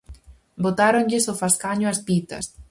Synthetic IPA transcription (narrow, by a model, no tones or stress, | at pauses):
bot̪aɾoŋʎɪsofaskaɲʊaspit̪ɐ̰s